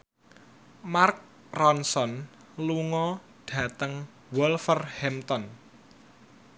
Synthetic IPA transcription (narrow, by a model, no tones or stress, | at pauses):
mark̚ | rɔnsɔn | luŋɔ | ɖ̥ä̤t̪əŋ | wɔlfərhɛmt̪ɔn